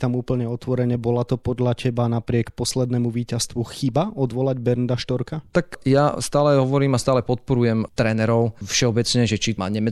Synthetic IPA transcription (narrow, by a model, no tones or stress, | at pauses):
t̪amuːpl̩ɲɛɔt̪ʋɔɾɛɲɛbɔlat̪ɔpɔd̪ʎacɛbanapɾɪɛkpɔslɛd̪nɛmuʋiːcast̪ʋuxibaɔd̪ʋɔlaɟbɛɾnd̪aʃt̪ɔɾkat̪akjast̪aːlɛɦɔʋɔɾiːmast̪aːlɛpɔt̪̚pɔɾujɛmt̪ɾɛːnɛɾɔʊfʃɛɔbɛt͡sɲɛʒɛt͡ʃima̰ɲɛmɛ